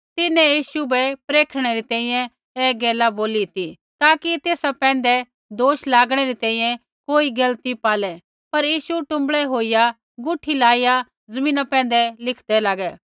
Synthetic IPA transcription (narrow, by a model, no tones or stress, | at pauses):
t̪ɪnɛ̃jiːʃubɛpɾeːkʰɽ̃ɛɾit̪ɛ̃ːĩjɛ̃ | ɛːɡɛːlaboːlit̪i | t̪aːkit̪eːsapɛ̃ːnd̪ɛ | d̪oːʃlaːɡɽ̃ɛɾit̪ɛ̃ːĩjɛ̃ | koːiɡɐlt̪ipaːlɛ | pɐɾjiːʃuʈʊ̃mbɭɛɦoːija | ɡʊʈʰilaːija | zɐmĩːnapɛ̃ːn̆d̪ɛlɪkʰd̪ɛlaːɡɛː